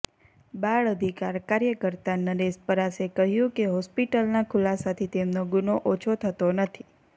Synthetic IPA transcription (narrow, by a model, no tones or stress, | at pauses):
baɭəd̪ʱikaɾkaɾjəkəɾt̪anəɾespəɾasekəɦjũkeɦɔspiʈəlnakʰʊlasat̪ʰit̪emnoɡunoʔot͡ʃʰot̪ʰət̪onət̪ʰi